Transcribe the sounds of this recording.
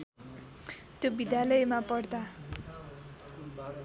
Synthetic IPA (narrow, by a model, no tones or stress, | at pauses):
t̪jobid̪jalʌjmapʌrd̪a